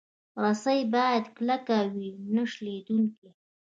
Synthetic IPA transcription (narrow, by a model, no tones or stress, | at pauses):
ɾasajbɑjad̪klakawinəʂled̪uŋki